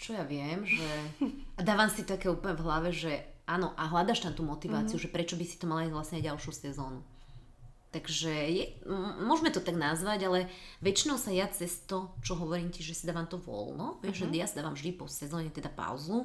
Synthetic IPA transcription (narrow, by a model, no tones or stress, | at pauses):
t͡ʃɔjaʋɪɛmʒɛad̪aːʋaːmsit̪akɛːuːpl̩ɲɛvɦlaʋɛʒɛʔaːnɔʔaɦlad̪aːʃt̪amt̪umɔt̪iʋaːt͡siuʒɛpɾɛt͡ʃɔbisi̥t̪ɔmalaizʋlasɲɛaɟalˠʃjusɛzɔːnu | t̪aɡʒɛjɛmʊɔʒmɛt̪ɔt̪aɡnazʋaɟalɛʋɛt͡ʃinɔʊsajat͡sɛst̪ɔt͡ʃɔɦɔʋɔɾiːmciʒɛsid̪aːʋaːmt̪ɔʋɔ̰lnɔʋɪɛʒʒɛjasad̪aːʋaːmvʒd̪ipɔsɛzɔːɲɛt̪ɛd̪apa̰ʊzu